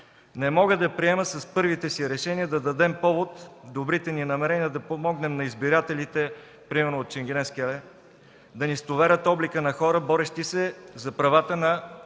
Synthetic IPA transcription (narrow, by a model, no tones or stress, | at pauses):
nɛmɔɡəd̪ɐpɾiɛməsɐspɤɾvit̪ɛsiɾɛʃɛniəd̪ɐd̪ɐd̪ɛmpɔvot̪d̪obɾit̪ɛninɐmɛɾɛniəd̪ɐpomɔɡnɛmnɐizbiɾat̪ɛlit̪ɛ | pɾimɛɾnoːt̪ʃɛŋɡʲɛnɛsklɛ | d̪ɐnist̪ovɛɾʲət̪ɔblikənɐxɔɾəbɔɾɛʃt̪isɛzɐpɾɐvat̪ənɐ